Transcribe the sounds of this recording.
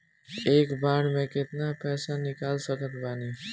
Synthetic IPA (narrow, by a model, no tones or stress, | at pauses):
eːkbaɾmẽket̪napɛːsanikalsəkət̪baːni